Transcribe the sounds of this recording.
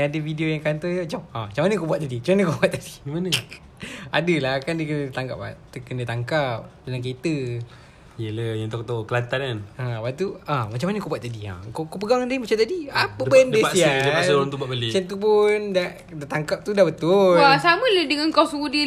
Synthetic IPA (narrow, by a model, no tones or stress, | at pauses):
jaadəfideojaŋkant̪ɔjamat͡ʃamamat͡ʃamanəkobuat̪̚ːadimat͡ʃamanəkobuat̪̚t̪ːad̥i̥imanə | adəlakandəkənət̪aŋka̰p̚a̰t̪əkəndət̪aŋkap̚daŋaŋket̪ə | jələjant̪ok̚t̪okəlant̪ananabat̪uamat͡ʃamanəkobuat̪ːadia̰kokopəɡaŋadəmat͡ʃamt̪adiapəbəndəasiad̪əasəɾaŋt̪ubaʔ̚bəlit͡ʃant̪up̬ʊnda | dat̪aŋkap̚t̪udabət̪ʊlasamə̃lədəŋankɔsudə